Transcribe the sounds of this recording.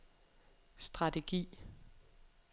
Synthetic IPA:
sd̥ʁɑ̈dʰe̝ɡ̥ḭː

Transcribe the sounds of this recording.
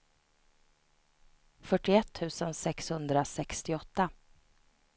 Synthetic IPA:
fœʈːɪɛt̪ʰːʉ̟ːsənsɛkshɵnd̪ɾasɛkst̪ɪɔt̪ːa

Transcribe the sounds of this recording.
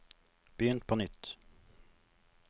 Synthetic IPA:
b̥əjʏnt̪̚pʰɔnʏt̪ː

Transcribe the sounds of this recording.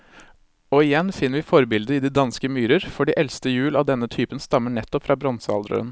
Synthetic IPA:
ɔɪjɛnːfɪnːəɾʋɪːfɔɾbɪld̪əɪd̪iːd̪ɑnskəmyːɾəɾfɔɖiːʔɛlst̪əjʉːlɑʋd̪ɛnːət̪ʰyːpənst̪ɑmːəɳɛt̪ːɔpfɾʔɑːbɾɔnsɑ̰ld̪ɾə̰ə̰n

